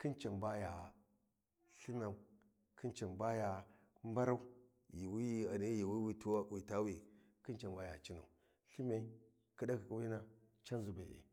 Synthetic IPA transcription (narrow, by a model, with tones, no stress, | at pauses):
ki˦nt͡ʃa˨nba˦ja˨ | ɬi˦na˨m | ki˦nt͡ʃa˨nba˦ja˨ | m˦ba˦ɾa˦u˦ | ji˨wi˦ja˨ne˦ji˨wi˦wi˦tu˦a˦˨wi˨ta˦wi˨ | ki˦nt͡ʃa˨mba˦ja˨t͡ʃi˦na̰˨u˨ | ɬi˦ma˨i˦ | ki˦da˦ki˨ku˨wi˦na˦ | t͡ʃa˦nzu˨ba˨ḛ˨